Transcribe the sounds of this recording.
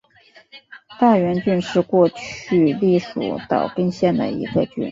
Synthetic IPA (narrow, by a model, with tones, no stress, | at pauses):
t̪a˥˩ɥɛ˧˥nt͡ɕy˥˧nʂɻ̩˥˧kwɔ˥˧t͡ɕʰy˥˧li˥˩ʂṵ˨˩t̪ɑ̰˨˩ʊki˥ŋɕjɛ˥˩nd̪ə̰˩ḭ˧˥ɡə˧t͡ɕy̰˥˩n